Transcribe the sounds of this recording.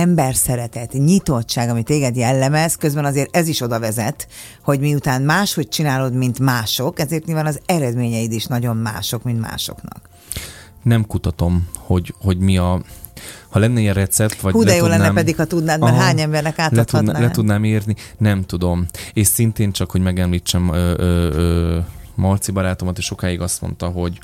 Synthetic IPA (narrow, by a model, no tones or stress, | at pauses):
ɛmbɛrsɛɾɛt̪ɛt̪ɲit̪o̞tt͡ʃːaːɡɒmit̪eːɡɛd̪jɛlːɛmɛzkø̞zbɛnɒzeːɾɛziʃo̞d̪ɒvɛzɛt̪ | ho̞ɟmiut̪aːnmaːʃho̞c̚t͡ʃinaːlo̞d̪mint̪maːʃo̞kɛzeːrt̪ɲilvaːnɒzɛɾɛd̪meːɲɛid̪iʃnɒɟo̞mma̰ːʃo̞kmint̪ma̰ːʃo̞̰knɒ̰k | nɛmkut̪ɒt̪o̞mho̞ɟho̞ɟmiɒ | hɒlɛnːɛijɛrɛt̪sɛpt̪ʋɒhuːlɛjoːlɛnːɛmpɛdd̪ikhɒt̪ud̪naːd̪ɛɦaːɲɛmbɛrnɛkaːt̪t̪ɒd̪nalɛt̪ud̪naːmeːrninɛmt̪ud̪o̞meːʃsint̪eːnt͡ʃɒkho̞ɟmɛɡɛmliːt͡ʃːɛmøøømɒrt̪sibɒɾaːt̪o̞mɒt̪eːʃʃo̞kaːiɡɒst̪mo̰nt̪ɒɦo̞ɟ